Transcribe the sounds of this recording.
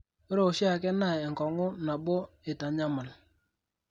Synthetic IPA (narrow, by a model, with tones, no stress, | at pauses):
o˦ɾo˦˨ʊ˨ʃi˦a˨kɛ˦na˦˨ɛ˨ŋ˨kɔ˨ŋʊ˦na˨bo˦ | ɪ˨ta˨ɲa˦ma˨l